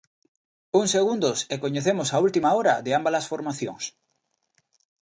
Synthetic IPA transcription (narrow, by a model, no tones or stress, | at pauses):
uŋseɣund̪osekoɲeθemosault̪imaoɾa̰ðeambalasfoɾmaθjo̰ŋs